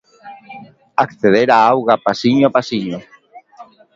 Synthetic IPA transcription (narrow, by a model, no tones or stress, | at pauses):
akθeðeɾaawɣapasiɲoapasiɲo